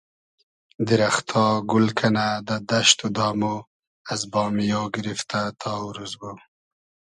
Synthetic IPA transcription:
d̪iɾaxt̪ʰɑɡʊlkʰanad̪əd̪aʃt̪od̪ɑːmo | azbɑːmijoɡɪɾift̪at̪ʰɑwɾuzbu

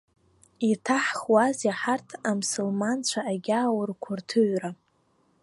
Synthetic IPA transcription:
itʰaħχwazjaħartʰamsulmant͡ɕʷʰaʔːɡʲaːwrkʷʰʊrtʰɨɥra

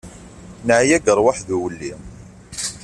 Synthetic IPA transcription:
nʕjæɡəɾˤwaħðuwəlːim

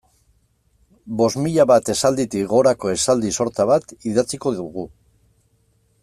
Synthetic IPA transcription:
bo̞zmiʎaβat̪e̞sald̪it̪iɣo̞ɾako̞e̞sald̪iso̞ɾt͡saβat̪iðat͡siko̞ðuɣu

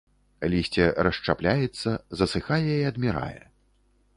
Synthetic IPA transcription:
lʲisʲt͡sʲɛɾɐʂt͡ʂaplʲajɛt̪sːɐzɐsɨxajɛiɐd̪mʲiɾa̰jɛ̰

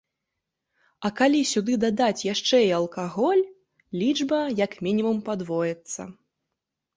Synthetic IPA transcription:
ɐkalʲisʲud̪ɨd̪ad̪at͡sʲjaʂt͡ʂɛjɐlˠkaɣɔlʲ | lʲid͡ʐbɐjɐkmʲinʲimumpad̪vɔjɛt̪sːɐ̰

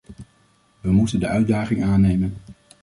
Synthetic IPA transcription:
ʋəmutəndəœɥdaːχɪŋaːnejmən

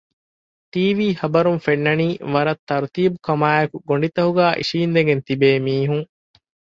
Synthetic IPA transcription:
t̪iːʋiːhɐbɐɾunfenːɐniːʋɐɾɐt̪ːɐɾt̪iːbukɐmaːɐkuɡoɳɖit̪ɐɦuɡæːʔḭʃiːnd̪eɡent̪ibeːmiːɦuŋ

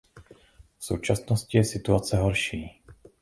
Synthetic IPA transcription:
fso̰wt͡ʃasnoscɪjɛsɪt̪uat͡sɛɦoɾʃiː

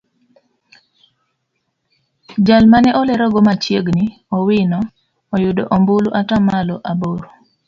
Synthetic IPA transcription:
d͡ʒalmanɛʔɔlɛɾɔɡɔmat͡ʃjeɡni | ɔwinɔː | jʊdo̰ʔombuluʔatamalɔʔaboɾo

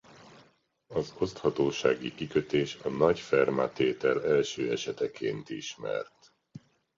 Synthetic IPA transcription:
ɒzo̞st̪hɒt̪oːʃaːɡikikøt̪eːʃɒnɒɟfɛrmat̪eːt̪ɛlɛlʃøːɛʃɛt̪ɛkʰeːnt̪iʃmɛ̰rt̪

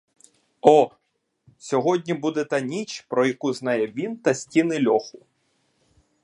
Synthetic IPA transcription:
ɔ | sʲɔɦɔdʲnʲibud̪ɛt̪ɐnʲit͡ʃpɾɔjɐkuznɑjɛʋʲint̪ɐsʲtʲinɪlʲɔxʊ

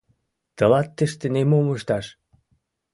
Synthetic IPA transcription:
t̪əlɑt̪ːə̆ʃt̪enemoməʃt̪ɑʃ

